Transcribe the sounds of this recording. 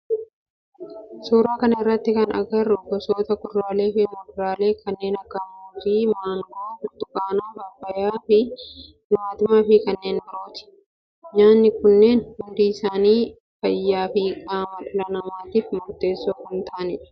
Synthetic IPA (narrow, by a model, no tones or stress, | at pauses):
suːɾaːkɐnɐɪrːɐt̪ːɪkɐnɐ̰ɡɐrːʊbɔsoːt̪ɐkʊrɾaːle̞ːfɪmʊdɾaːle̞ːkʰɐnːe̞ːnɐɡɐmuːfiːmaːŋɡofʊt̪ʊkʼaːnaːbabɐjaːfɪ | jʊmaːt̪ɪmafɪkɐnːe̞ːnbɪɾoːt̪ɪ̥ | ɲaːnːɪkʊnːe̞ːnhʊnd̪iːɪsaːniː | fɐjːaːfɪkʼaːmɐᶑʊlɐnɐmaːt̪iːfmʊɾt̪e̞ːsːoːkʊnt̪aːnɪᶑɐ̥